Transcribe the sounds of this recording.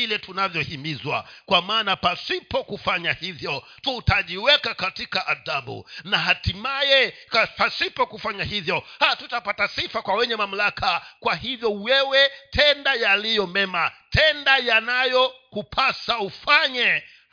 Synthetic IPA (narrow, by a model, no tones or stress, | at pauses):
ilɛtunavjɔhimizwa̰kwamaːnapasipɔkufaɲahivjɔ | tutaʄiwɛkakatikaʔaðaɓṵnaɦatimajɛkapasipɔkufaɲahivjɔhatutapatasifakwawɛɲɛmam̩lakʰakwahivjɔwɛwɛtʰɛndajalijɔmɛmatʰɛndajanajɔkupʰasaufaɲɛ